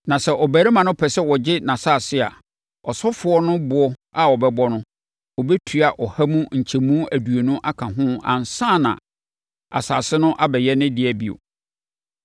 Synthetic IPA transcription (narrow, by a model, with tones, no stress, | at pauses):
nã˨sɛ˦˨ʔɔ˨bæː˨ɾi˦mã˨nʊ̃˦pʰɛ˨sɛ˦wɔ˨d͡ʑɪ˦nã˨saː˦˨sɪ˦a̰˨ | ɔ˨sɔ˦fʊ˨ɔ˦nʊ̃˦bʊ˨ɔ˦a˨wɔ˨bɛ˦bɔ˦nʊ̃˦ | ɔ˨bɛ˦tʰɥa˨ʔɔ˨ha˦mũ˦ɲ̩˨t͡ɕʰɛ˨mũ˦æ˨du˨e˨nʊ̃˦ʔa˦kʰã˨ɦʊ̃˦ã̰˨n̩˨sã˦˨nã̰˨ | a̰˨saː˨sɪ˦nʊ̃˦ʔa˦bɛ˨jɛ˦nɪ̃˦dɪ˦ɛ˨bi˨o̰˨